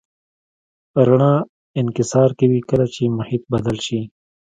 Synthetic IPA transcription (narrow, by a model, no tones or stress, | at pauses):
ɾaɳã | ɪnkɪsɑːɾkiwikəlat͡ʃemʊhiːt̪̚bɐd̪əlʃi